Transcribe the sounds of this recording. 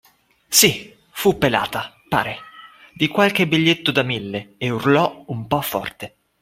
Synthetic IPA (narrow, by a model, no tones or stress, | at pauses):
si | fupːela̰ːt̪a | pa̰ːɾe | d̪ikwalk̟ebːiʎːet̪ːod̪amilːeeurlɔumpɔfːɔ̰rt̪e